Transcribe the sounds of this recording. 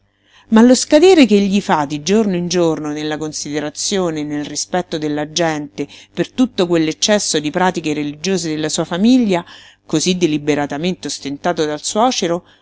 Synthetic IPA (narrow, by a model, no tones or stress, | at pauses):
malːoskad̪ɛːɾekeʎːifad̪id͡ʒornoind͡ʒornonelːakonsid̪eɾat̪sːjoːnenːelrispɛt̪ːod̪elːad͡ʒɛnt̪epert̪ut̪ːokwelːet͡ʃːɛsːod̪ipɾaːt̪ikeɾelid͡ʒoːzed̪elːasuːafamiʎːa | kozid̪elibeɾat̪ament̪eost̪ent̪aːt̪od̪alswɔːt͡ʃeɾo